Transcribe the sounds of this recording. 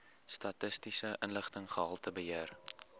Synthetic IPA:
stɐtəstisəʔənləχtəŋχəɦɐlˠtəbəɦər

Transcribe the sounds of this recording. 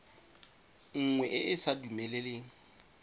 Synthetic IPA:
ŋ̩ŋwɛʔɪʔɪsadumɛleleːŋ̩

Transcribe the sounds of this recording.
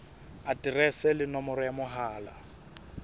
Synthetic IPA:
atʼirɛsɛlɪnɔmɔɾɔjamʊɦaːla̰

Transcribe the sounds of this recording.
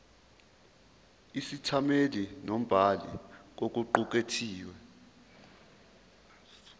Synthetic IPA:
isitʰamelinom̩b̥ʱalḭk̬ok̬uǃuk̬etʰiːwɛ

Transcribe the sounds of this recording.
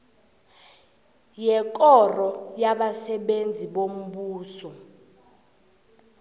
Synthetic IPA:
jɛk̬ʼɔrɔjaɓasɛɓend͡zʱiɓom̩ɓuːsɔ

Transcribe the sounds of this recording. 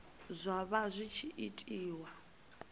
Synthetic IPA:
zʷaβazʷit͡ʃʰiʔitʼiːwa

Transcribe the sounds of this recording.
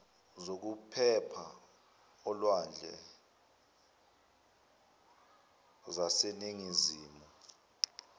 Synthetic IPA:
zok̬upʰɛpʰa | ɔlwand͡ɮʱɛ̰ | zaseniŋiziːmɔ

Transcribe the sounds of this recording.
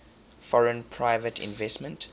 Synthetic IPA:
fɔɹə̃npʰɹaɪvətʰɪ̰̃nvɛsmə̃nt

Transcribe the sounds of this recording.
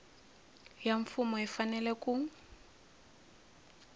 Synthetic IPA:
jaɱfʊmɔifanɛlɛkʼuŋ̩

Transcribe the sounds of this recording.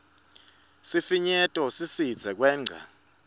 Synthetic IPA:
sifiɲɛtʼɔsisi̥d͡zʱɛk̬ʼwɛːŋ͡ǀʱa̰

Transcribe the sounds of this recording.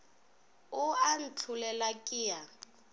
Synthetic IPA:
ʊan̩t͡ɬʰulɛlakʼiːja

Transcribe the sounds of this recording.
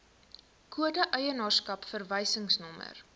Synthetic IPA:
kuədəʔəjənɑːrskɐpfərvɛjsəŋsnɔmə̰r

